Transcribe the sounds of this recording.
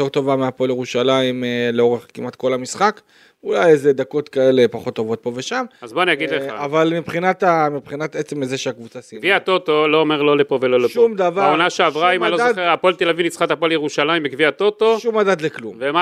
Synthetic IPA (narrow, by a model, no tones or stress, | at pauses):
eʁt̪o̞vameapo̞ljeʁuʃalaimleo̞ʁeχkimʔat̪ko̞lamisχak | ulajezed̪ako̞t̪kae̞le̞paχo̞t̪ːo̞vo̞t̪̚po̞ve̞ʃamazboanijaɡidleavalmipχinat̪amipχinat̪et͡semezeʃeakvut͡sasiviat̪ot̪o̞loːmeʁlo̞lepo̞veloleʃumd̪avaaonaʃeavʁaimalodaeʁapolt̪elavinit͡sχat̪apoljeʁuʃalaimbikviat̪ot̪oʃumad̪at̪leklumvema